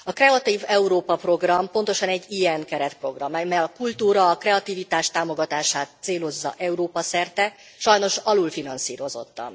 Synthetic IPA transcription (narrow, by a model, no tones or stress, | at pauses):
ɒkrɛɒt̪iːvɛuɾoːpɒpro̞ɡrɒmpo̞nt̪o̞ʃɒnɛɟːijɛnkɛɾɛt̪pro̞ɡrɒmɛmɛɒkult̪uːɾɒːkrɛɒt̪iːvit̪aːʃt̪aːmo̞ɡɒt̪aːʃaːt̪seːlo̞zːɒ̰ʔɛuɾoːpɒsɛrt̪ɛ | ʃɒjno̞ʃɒluːlfinɒnsiːɾo̞zo̞̰t̪ːɒ̰n